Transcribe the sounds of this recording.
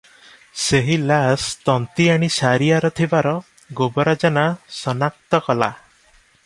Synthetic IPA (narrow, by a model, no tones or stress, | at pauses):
seɦilast̪ɔnt̪iaɽ̃isaɾijaɾɔt̪ʰibaɾɔ | ɡobɔɾad͡ʒanasɔnak̚t̪ɔkɔla̰